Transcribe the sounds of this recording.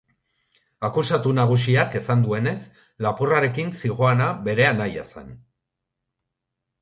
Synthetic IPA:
akusat̪unaɣ̞us̬iake̞sand̪ue̞ne̞s | lapuraɾe̞kinsiɣo̞anaβe̞ɾe̞anajasa̰n

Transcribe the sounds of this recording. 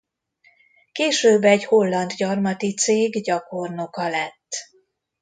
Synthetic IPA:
keːʃøːbɛɟho̞lːɒnd̪ɟɒrmɒt̪it̪seːɡɟɒko̞rno̞kɒlɛt̪ː

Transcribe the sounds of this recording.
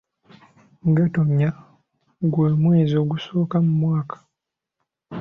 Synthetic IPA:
ɡatoɲːa | ɡweːmwe̞ːzio̞ɡuso̞ːkamumwaːkḁ

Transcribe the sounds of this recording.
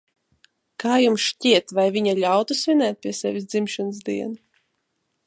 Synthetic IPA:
kaːjumsʃcʲiɛt̪vajvʲiɲalʲawt̪usvʲinɛːt̪̚pʲiɛsɛvʲisd̪zimʃanɨzd̪iɛnu

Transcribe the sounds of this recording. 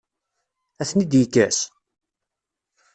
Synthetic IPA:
æθnid̪jəkːæs

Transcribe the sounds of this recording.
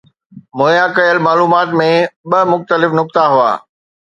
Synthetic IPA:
moːjãkɐjəlmaːluːmaːt̪mẽɓɐmʊxt̪əlɪfnʊk̚t̪aɦʊa̰ː

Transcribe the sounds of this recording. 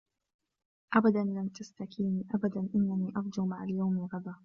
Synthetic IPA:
ʔabad̪anlamt̪ast̪akiːniːʔabad̪anʔɪnːaniːʔɑɾˤd͡ʒʊɣmaʕaljawmɪlɣɑd̪ˤɑː

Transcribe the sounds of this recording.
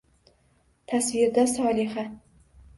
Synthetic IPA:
t̪ʰasvɪɾd̪asɒːlɪχa

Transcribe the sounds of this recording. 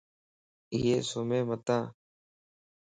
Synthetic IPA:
iːeːsoːmẽːmət̪ãː

